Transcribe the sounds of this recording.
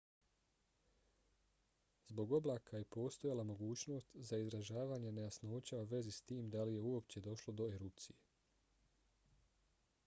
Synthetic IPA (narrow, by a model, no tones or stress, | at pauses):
zbo̞ɡo̞blˠaːkʰajepo̞ːst̪o̞jalamo̞ɡuːt͡ɕno̞ːst̪zaizɾaʒaːʋaːɲe̞nejasnoot͡ɕauʋe̞zist̪iːmd̪alije̞uo̞pt͡ɕe̞d̪o̞ʃlo̞d̪o̞eɾup̚t̪sije